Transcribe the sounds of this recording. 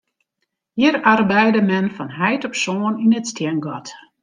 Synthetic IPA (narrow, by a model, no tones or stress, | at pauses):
hiəɾarbɛjdəmɛnfɔnɦɛjtɔpsoːninətstjɛnɡɔt